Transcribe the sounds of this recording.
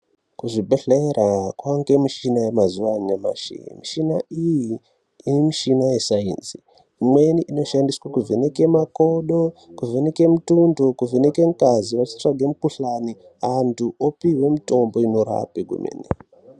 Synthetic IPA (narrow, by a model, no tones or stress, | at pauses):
kuʐibʱeɬeɾakwaŋɡe̞miʃinajemazuʋaɲema̰ʃḛjḭmiʃinaijiː | nimiʃinajesaḭnzi | imwe̞niʔino̞ʃandiswakuvenekemako̞ɗokuvʱeneke̞mutundokuveneke̞ŋkaziʋat͡ʃi̥t͡ʂraɡʱemukuɬani | antʰuʔopiɦwe̞mito̞mbo̞inoɾa̰piɡʱṵmḛːni